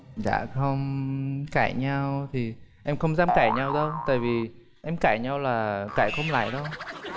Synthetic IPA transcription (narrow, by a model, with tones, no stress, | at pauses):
za̰ː˧˨xə˧wŋ͡mkaː˧˩jɲa˧wt̪ʰi˨˩ʔɛ˧mxə˧wŋ͡mzaː˧mkaː˧˩jɲa˧wɗə˧wt̪a̰ː˧˨jvi˨˩ | ʔɛ˧mkaː˧˩jɲa˧wlaː˨˩kaː˧˩jxə˧wŋ͡mla̰ː˧˨jɗə˧w